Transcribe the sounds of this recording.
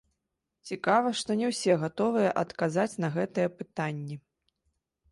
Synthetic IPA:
t͡sʲikavɐʂt̪ɔnʲɛwsʲɛɣat̪ɔvɨjɐʔɐt̪kazat͡sʲnɐɣɛt̪ɐjɛpɨt̪anʲːɛ

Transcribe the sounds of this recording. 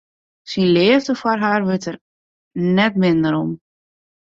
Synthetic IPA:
sinlɪəvdəfwɔrɦaːrʋøtər | nɛtmɪndəɾɔm

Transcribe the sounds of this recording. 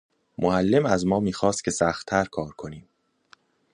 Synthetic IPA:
moælːe̞mæzmɒːmiːxɒːst̪̚cʰʲe̞sæxt̪ʰːæɾkʰɒːɾkʰo̞niːm

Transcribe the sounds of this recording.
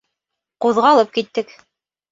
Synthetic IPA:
quðʁɑːlˠɤp̚kit̪ːɘk

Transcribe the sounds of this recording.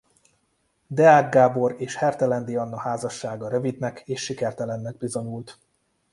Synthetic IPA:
d̪ɛaːɡɡaːbo̞ɾeːʃhɛrt̪ɛlɛnd̪iɒnːɒhaːzɒʃːaːɡɒɾøvid̪nɛkeːʃːikɛrt̪ɛlɛnːɛɡ̚bizo̞ɲult̪

